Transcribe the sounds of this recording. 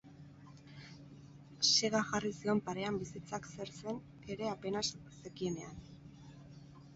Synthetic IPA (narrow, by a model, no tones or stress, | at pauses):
seɣaxarisio̞mpaɾe̞ambisit͡sakse̞ɾt͡se̞n | e̞ɾe̞ape̞nassekie̞ne̞an